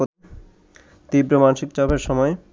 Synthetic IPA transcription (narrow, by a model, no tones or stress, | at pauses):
o | t̪ibɾomanʃikt͡ɕɔbʱeɾʃɔmɔe